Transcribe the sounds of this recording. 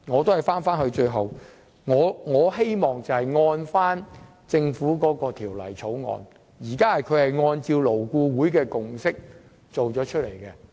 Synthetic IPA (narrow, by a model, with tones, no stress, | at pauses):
ŋɔː˨˧t̪o˥whɐ˨jfaː˥nfaː˥nhɵ˧t͡ʃɵ˧ɥɦɐ˨w | ŋɔː˨˧ŋɔː˨˧he˥jmɔː˨˩ŋt͡sɐ˨whɐ˨˩jŋɔː˧nfaː˥n | t͡sɪ˧ŋfuː˨˥kɔː˨˥kɔː˧t̪ʰiː˨˩wlɐ̰˨˩jt͡sʰo˨˥wŋɔ̰ː˧n | jiː˨˩kaː˥hɐ˨jkʰɵ˨˧ɥhɐ˨jŋɔː˧nt͡siː˧wlo˨˩wkuː˧wuː˨˥jkɛː˧kʊ˨ŋsɪ˥k̚ | t͡so˨wt͡ʃɔː˨˥t͡ʃʰɵ˥t̚le˨˩jkɛː˧